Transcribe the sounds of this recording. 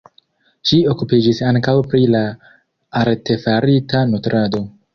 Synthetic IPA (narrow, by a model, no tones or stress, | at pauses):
ʃio̞kupid͡ʒisaŋkawpɾilaː | ɾte̞faɾitanotɾado̞